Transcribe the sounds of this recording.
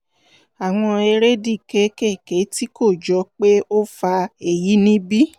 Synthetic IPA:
a˨w̃ɔ̃˧e˧ɾe˦di˦˨ke˨˦ke˦˨ke˨˦ti˦ko˦˨d͡ʒɔ˧k͡pe˦o˦fa˧e˨ji˨˦nĩ˦bi˦

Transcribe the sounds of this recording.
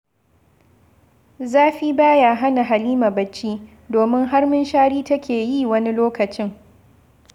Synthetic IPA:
zaː˦ɸiː˦baː˦ja˨ɦa˦na˨ɦa˨liː˦ma˨bɐ˨t͡ʃːiː˦ | doː˨mɪ˦ŋɦa˦rmɪ˦nʃaː˦ɽiː˦tɐ˦kʲeː˨jiː˦˨wɐ˦ni˦loː˦kɐ˨t͡ʃɪ˦ŋ

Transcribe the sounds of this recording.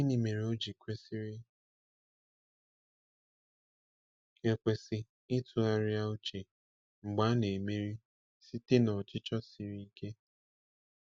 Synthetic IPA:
i˦ni˨me˨ɾe˨o˦d͡ʒi˨kʷe˦si˦ɾɪ˦ | e˨kʷe˨sɪ˦ | ɪ˦tʰʊ˨a˦ɾja˦u˦t͡ʃe˨ | ŋ͡m̩˨ɡ͡ba˦ne˨me˦ɾi˦ | si˦te˦nɔ˨t͡ʃɪ˦t͡ʃɔ˦si˨ɾi˦i˦ke˦

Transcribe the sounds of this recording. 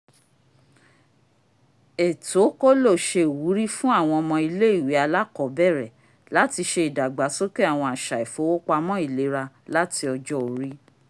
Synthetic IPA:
e˨to˨˦ko˦lo˦˨ʃe˧˨wu˨˦ɾi˦fũ˦a˦˨w̃ɔ̃˧ɔ˧mɔ̃˧i˧le˦i˦˨wi˨˦a˧la˦kɔ˨˦bɛ˦˨ɾɛ˨ | la˨˦ti˧ʃe˧i˨da˨ɡ͡ba˨˦so˦ke˦a˦˨w̃ɔ̃˧a˨ʃa˨e˨fo˨˦wo˦k͡pa˧mɔ̃˦i˦˨le˨˦ɾa˧ | la˦ti˧ɔ˧d͡ʒɔ˦o˨˦ɾi˦

